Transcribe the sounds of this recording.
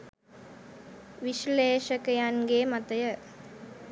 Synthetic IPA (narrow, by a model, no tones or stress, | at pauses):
ʋiʃleːʃəkəjanɡeːmat̪əjə